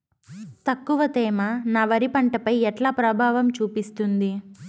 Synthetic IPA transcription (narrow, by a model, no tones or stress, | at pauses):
t̪ɐkːuʋɐt̪ɛːmɐnaːʋɐɾipɐɳʈɐpɐjɛʈlaːpɾɐbʱaːʋɐmt͡ʃuːpist̪und̪i